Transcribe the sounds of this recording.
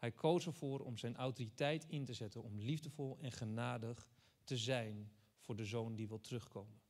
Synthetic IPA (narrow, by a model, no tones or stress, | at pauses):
hɛjkʰowsəɹvʊːrɔ̰mzɛjnʔawtoːritɛjtʰɪntəzɛtənɔmlivdəvɔlˠɛnχənaːdəχ | təzɛjn | v̥ʊːɹdəzowndiʋɪlˠtrɵχkowmən